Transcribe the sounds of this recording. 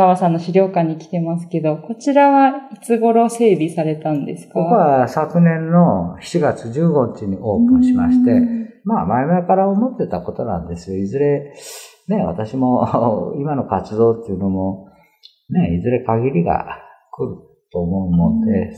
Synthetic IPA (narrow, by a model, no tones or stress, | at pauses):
aβasãnːoɕiɾʲo̞ːkaɲ̟ːikʲi̥t̪e̞masɨ̥ke̞d̪o̞ko̞t͡ɕiɾaβait͡sɨɡo̞ɾo̞se̞ːbʲisaɾe̞t̪ãnd̪e̞sɨ̥kaooβasakɯ̟nẽ̞nːo̞çi̥t͡ɕiɡat͡sɨʑɨːɡo̞ɲit͡ɕiɲ̟iʔo̞ːpɯ̟̃ɰ̃ɕimaɕi̥t̪e̞maːmaimaikaɾaomo̞t̪ːe̞t̪ako̞t̪o̞nã̰nd̪e̞sɨjo̞izɨɾe̞ | ne̞βa̰t̪aɕimo̞imano̞kat͡sɨd̪o̞ːt̪ːeiɯ̟no̞mo̞ | ne̞izɨɾe̞kaɡʲiɾʲiɡa̰kɯ̟ɾɯ̟ | t̪o̞ːmo̞ɯmond̪e̞